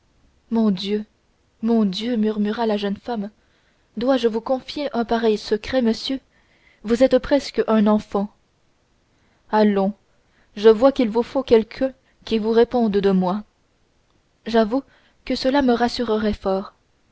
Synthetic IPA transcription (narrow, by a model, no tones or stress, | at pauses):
mɔ̃d̪jø | mɔ̃d̪jømyʁmyʁalaʒənfam | d̪waʒəvukɔ̃fjeʔœ̃paʁɛjsəkχɛməsjø | vuzɛt̪pχɛskəʔœ̃nɑ̃fɑ̃ | alɔ̃ | ʒəvwakilvufokʲɛlkʰœ̃ | kʲivuʁepɔ̃d̪d̪əmwa | ʒavu | kəsəlaməʁasyʁəʁɛfɔːʁ